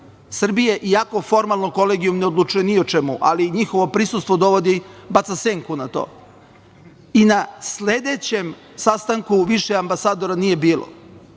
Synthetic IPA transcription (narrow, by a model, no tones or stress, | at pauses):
sr̩bijeʔijako̞fo̞ɾmalˠnoko̞leɡijumneod̪lˠut͡ʃujeniot͡ʃemuʔa̰liɲixo̞ʋo̞pɾisust̪vʋod̪o̞ʋod̪ibat̪aseŋkunat̪o̰ː | inasled̪et͡ɕe̞m | sast̪aŋkuʋiʃeambasaːd̪o̞ɾanije̞biːlˠo̰